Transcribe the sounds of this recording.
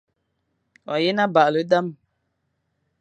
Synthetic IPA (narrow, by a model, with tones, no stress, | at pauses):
wa˨je˦na˦ba˨lə˨˦da˦m